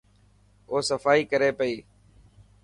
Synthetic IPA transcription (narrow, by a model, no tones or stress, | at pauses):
oːsəfaːiːkəɾeːpəiː